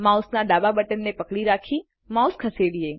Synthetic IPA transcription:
mãːʊsnaɖaːbabɐʈənːẽpɐkɽiɾaːkʰi | mãːʊskʰɐseːɽiẽː

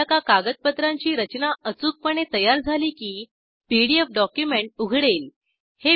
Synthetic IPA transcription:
akakaɡət̪̚pət̪ɾãɲt͡ɕiːɾət͡ɕnaət͡suːk̚pəɳ̃et̪əjaɾd͡zʱaliːkiː | piɽiefɖɔkjumeɳʈ̚uɡʱɽel | he

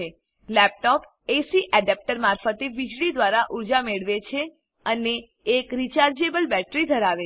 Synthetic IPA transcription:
e | lɛp̚ʈɔp | esiʔɛɖɛp̚ʈəɾmaɾfət̪eʋid͡ʒɽid̪ʋaɾaʔuɾd͡ʒameɭʋet͡ʃʰe | əneː | kɾit͡ʃaɾd͡ʒebəlbɛʈɾid̪ʱəɾaʋe

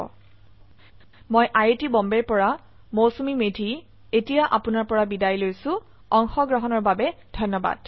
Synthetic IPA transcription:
mojʔajetibɔmbɛɹpɔɹa | mowsumimedʱi | etijaʔapʊnaɹpɔɹabidajlojsʊ̃ | ɔŋxɔɡɹɔɦɔnɔɹbabɛdʱɔnːɔba̰d̥

